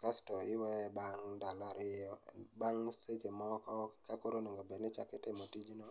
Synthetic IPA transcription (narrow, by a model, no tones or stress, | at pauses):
kastɔɪwɛbaŋdalaɾɪɔbaŋset͡ʃemɔkɔkakoɾonoŋɡobenɪt͡ʃakɪtɪmotid͡ʒno